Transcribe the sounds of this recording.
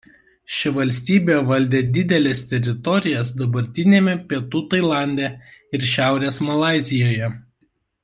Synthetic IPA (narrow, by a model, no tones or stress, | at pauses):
ʃʲɪʋɐlʲsʲt̪ʲiːbʲeːʋɐlʲd̪ʲeːd̪ʲɪd̪ʲɛlʲɛst̪ʲɛɾʲɪt̪ɔɾʲɪjɛsd̪ɐbɐɾʲt̪ʲɪnʲeːmʲɛpʲiɛt̪uːt̪ɐɪlˠɑˑnʲd̪ʲɛɪɾʃʲæˑʊɾʲeːsmɐlˠɑˑɪzʲɪjoːjɛ